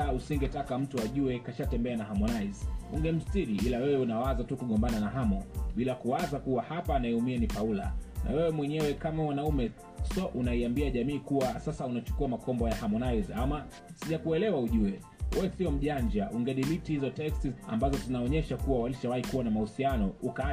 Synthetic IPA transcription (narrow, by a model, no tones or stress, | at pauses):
ausiŋɡɛtakam̩tuaʄuɛkaʃatɛmbɛanaɦamɔnaizṵŋɡɛm̩stiɾiilawɛwɛunawazatukuɠɔmbananaɦamɔɓilakuwazakuwahapaːnaɛumianipaula̰nʔa̰wɛwɛmwɛɲɛwɛkamawanaumɛ | sɔʔunaiambiaʄamiːkuwasasaunat͡ʃu̥kuamakɔmbɔjahamɔnaizama | siʄakuɛlɛwauʄuɛ | wɛɛsiɔm̩ʄaɲd͡ʒaʔuŋɡɛɗilitihizɔtɛkstia̰mbazɔzinaɔɲɛʃakuwawaliʃawaikuwanamahusianɔuka